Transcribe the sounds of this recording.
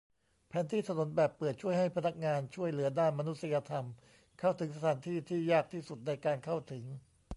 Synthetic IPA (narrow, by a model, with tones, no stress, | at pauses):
pʰɛː˩˦nt̪ʰiː˥˩t̪ʰa˧nu˨˩˦nbɛː˨˩pːɤː˨˩t̪̚t͡ɕʰu˥˩əjɦa˥˩jpʰa˧na˦˥k̚ŋaː˧nt͡ɕʰu˥˩əjlɯ˩˦ɐdaː˥˩nma˧nu˦˥t̪̚sa˧ja˧t̪ʰa˧m | kʰa˥˩wt̪ʰɯ˩˦ŋs̬a˧t̪ʰaː˩˦nt̪ʰiː˥˩t̪ʰiː˥˩jaː˥˩k̚t̪ʰiː˥˩su˨˩t̪̚na˧jkaː˧nkʰa˥˩wt̪ʰɯ˩˦ŋ